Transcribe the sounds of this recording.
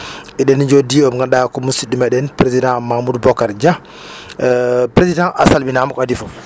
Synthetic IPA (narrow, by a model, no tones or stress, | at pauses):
ɛɗɛnid͡ʒodiɔmŋɡanɗajakɔmusidumɛɗɛnpɾezidãmamudbɔkaɾd͡ʒa | pɾezidãʔasalbinamakadifɔ